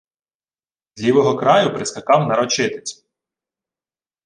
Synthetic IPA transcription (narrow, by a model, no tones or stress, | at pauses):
d̪ʲlʲiʋɔɦɔkɾɑjʊpɾɪskɐkɑwnɐɾɔt͡ʃɪt̪e̥t͡sʲ